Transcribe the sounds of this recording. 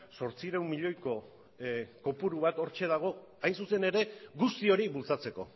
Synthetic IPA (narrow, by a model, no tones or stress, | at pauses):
so̞ɾt͡siɾawmːiʎo̞jko̞ | ko̞puɾuβat̪o̞ɾt͡ʃe̞ð̞aɣ̞o̞ | ajnsuse̞ne̞ɾe̞ɣust̪io̞ɾiβult͡sat͡se̞ko̞̰